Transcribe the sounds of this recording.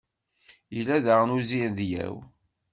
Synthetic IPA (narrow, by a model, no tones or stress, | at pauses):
ilæðəʁnuzinðjæ̰w